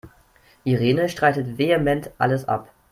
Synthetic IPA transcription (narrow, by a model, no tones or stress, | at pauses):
ʔiʁeːnəʃtʁ̥aɪtətveːemɛntʔa̰ləsʔa̰p